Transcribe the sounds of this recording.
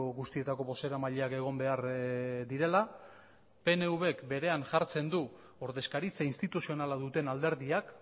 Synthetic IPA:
oɣust̪ie̞t̪ako̞βo̞se̞ɾamaʎeake̞ɣ̞o̞mbe̞aɾd̪iɾe̞la | pe̞ne̞uβe̞kbe̞ɾe̞anʝaɾt͡se̞nd̪u | o̞ɾðe̞skaɾit͡sainst̪it̪usio̞nalaðut̪e̞nald̪e̞ɾðiak

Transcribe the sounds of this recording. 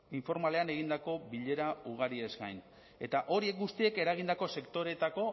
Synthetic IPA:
iɱfo̞ɾmale̞ane̞ɣ̞ind̪ako̞βiʎe̞ɾauɣ̞aɾie̞zɡajn | e̞t̪aʔo̞ɾie̞k̚ɡust̪ie̞ke̞ɾaɣ̞ind̪ako̞se̞kt̪o̞ɾe̞t̪ako̞

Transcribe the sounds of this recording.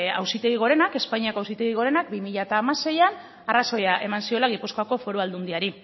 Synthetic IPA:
a̰wsit̪e̞ɣ̞iɣ̞o̞ɾe̞nake̞spaɲiakawsit̪e̞ɣ̞iɣo̞ɾe̞nak̚bimiʎat̪aːmase̞jan | araso̞jaʔe̞mansio̞laɣ̞ipusko̞ako̞fo̞ɾuald̪und̪iaɾi

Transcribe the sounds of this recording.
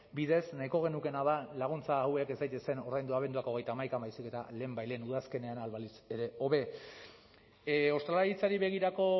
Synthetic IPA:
biðe̞snaiko̞ɣ̞e̞nuke̞nað̞alaɣ̞unt͡saːweke̞zd̪ajt̪ese̞no̞ɾðajnd̪uaβend̪uako̞ɣe̞jt̪aːmajkambajsike̞t̪ale̞ːmbajlenuðaske̞ne̞analβalise̞ɾe̞o̞βe̞ | o̞st̪ɾalaɾit͡saɾiβe̞ɣ̞iɾako̞

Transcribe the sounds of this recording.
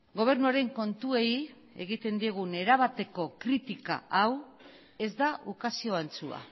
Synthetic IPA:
ɡo̞β̞e̞ɾnuaɾe̞ŋko̞nt̪ue̞j | e̞̰ɣit̪e̞nd̪ieɣ̞une̞ɾaβat̪e̞ko̞kɾit̪ika̰aw | e̞zd̪aukasio̞ant͡sua̰

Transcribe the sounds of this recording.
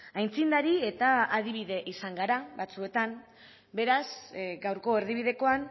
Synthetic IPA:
ajnt͡sind̪aɾie̞t̪aaðiβ̞iðe̞ʔisaŋɡaɾaβat͡sue̞t̪an | be̞ɾazɡawɾko̞eɾðiβ̞iðe̞ko̞an

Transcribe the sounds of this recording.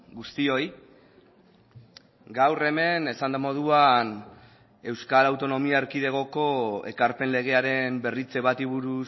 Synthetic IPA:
ɡust̪io̞j | ɡawre̞me̞ne̞sand̪amo̞ð̞uan | e̞wskalawt̪o̞no̞miaeɾkið̞e̞ɣ̞o̞ko̞e̞kaɾpe̞nle̞ɣ̞e̞aɾe̞mbe̞rit͡se̞βat̪iβuɾu

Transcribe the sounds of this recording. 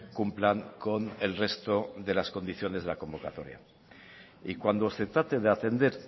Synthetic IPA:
kumplaŋko̞ne̞lre̞st̪o̞ðe̞lasko̞nd̪iθjo̞ne̞zðelako̞mbo̞kat̪o̞ɾja̰ | ikwand̪o̞se̞t̪ɾat̪e̞ðeat̪e̞nd̪e̞ɾ

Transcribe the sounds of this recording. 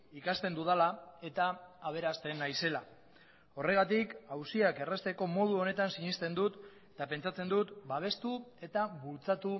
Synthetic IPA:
ikast̪e̞nd̪uð̞alae̞t̪aːβ̞e̞ɾast̪e̞nːajse̞la | o̞re̞ɣ̞at̪ikawsiake̞rest̪e̞ko̞mo̞ð̞uo̞ne̞t̪ansiɲist̪e̞nd̪ut̪ | t̪ape̞nt͡ʃat͡se̞nd̪ut̪baβ̞e̞st̪ue̞t̪aβult͡sat̪u

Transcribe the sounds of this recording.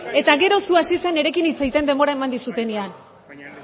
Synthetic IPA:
e̞t̪aɣe̞ɾo̞suasise̞ne̞ɾe̞kinit͡sejt̪e̞nd̪e̞mbo̞ɾae̞mand̪isut̪e̞nean

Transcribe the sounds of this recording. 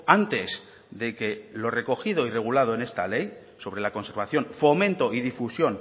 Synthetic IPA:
ant̪e̞s | ðe̞ke̞lo̞re̞ko̞xið̞o̞ire̞ɣ̞ulað̞oe̞ne̞st̪ale̞j | so̞β̞ɾe̞lako̞nse̞ɾβaθjo̞nfo̞mẽnt̪o̞ʔiðifusjo̞n

